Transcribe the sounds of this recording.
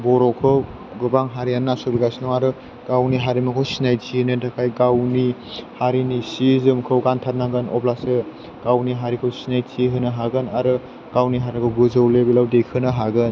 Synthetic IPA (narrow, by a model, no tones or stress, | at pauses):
bɔɾɔkʰɯw | ɡɯbaŋɦaɾijannːasobiɡasinɔwaɾɯ | ɡ̥awniɦaɾimɯkʰɯwsinajtʰinɯdakʰajɡawnihaɾinisizɯmkʰɯwɡantʰat̚naɡɯnɔblasɯ | ɡ̥awniɦaɾikʰɯwsinajtʰiɦɯnɯɦaɡɯnaɾɯ | ɡ̥awniɦaɾikʰɯwɡɯzɯwlebilawdekʰɯnaɦaɡɯn